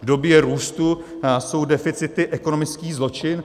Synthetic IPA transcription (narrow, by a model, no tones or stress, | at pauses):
vdo̞bjɛɾuːst̪uso̞wdɛfɪt͡sɪt̪ɪʔɛko̞no̞mɪt͡skiːzlo̞t͡ʃɪn